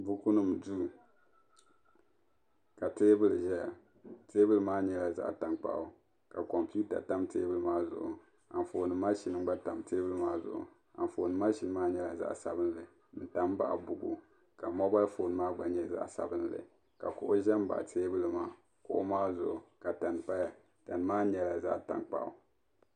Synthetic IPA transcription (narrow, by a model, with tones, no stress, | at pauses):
bu˦ku˦nɨ˦m˨du˦˨ | ka˨teː˦bɨ˦lɨ˨ʒɛ˦a˨ | teː˦bɨ˦lɨ˦maː˦ɲɛ˦la˨za̰˦ʔta˨nk͡pa̰˦˨ʔʊ˦ | ka˨kɔ˨mpi˦u˦ta̰˨ta˦mtḛː˦bɨ˦lɨ˦maː˦zʊ̰˨ʔʊ̰˨ | a˨n˨fo˨nɨ˨maː˦ʃi˨nɨ˦ŋ˦ɡ͡ba˦ta˨mteː˦bɨ˦lɨ˦maː˦zʊ̰˨ʔʊ̰˨ | a˨n˨fo˨nɨ˨˦maː˦ʃi˦n˦maː˦ɲɛ˨la˨za̰˦ʔsa̰˨bɨ˦n˦lɨ˨ | n̩˨ta˨m˦ba̰˦ʔbʊ˨ɡu˨ | ka˨mɔ˦ba˦lfoː˨nɨ˨˦maː˦ɡ͡ba˨ɲɛ˦za̰˦ʔsa̰˨bɨ˦n˦lɨ̰˨ | ka˨kʊ˨ʔʊ˦ʒɛ˦m˦ba̰˨ʔteː˦bɨ˦lɨ˨maː˦ | kʊ˦ʔʊ˦maː˦zʊ˨ʔʊ˨ka˨ta˨npa˦ja˨ | ta˨n˨maː˦ɲɛ˦la˨za̰˦ʔta̰˨ŋk͡pa̰˦˨ʔʊ̰˨